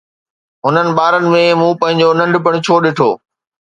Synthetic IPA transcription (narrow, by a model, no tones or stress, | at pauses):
ɦʊnənɪ̆ɓaːɾənɪ̆mẽmũːpɐ̃ɦɪ̃ɲd͡ʑonɐ̃ɳɖʱɪpəɽ̃ɪ̆t͡ɕʰoːɗɪʈʰoː